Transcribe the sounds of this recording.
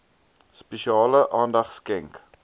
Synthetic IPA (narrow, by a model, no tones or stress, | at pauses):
speʃiɑːləʔɑːndɐχskɛŋk